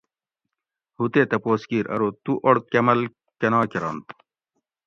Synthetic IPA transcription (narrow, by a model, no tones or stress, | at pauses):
hut̪eːt̪ɐpoːskiːɾɐ̰ɾoːt̪uʔoɽt̪̚kɐmɐl | kɐnɑːkeɾɑːnt̪